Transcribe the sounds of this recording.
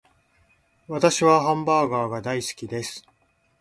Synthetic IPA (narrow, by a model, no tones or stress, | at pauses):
βat̪aɕiβaɦãmbaːɡaːɡad̪aisɨ̥kʲid̪e̞sɨ̥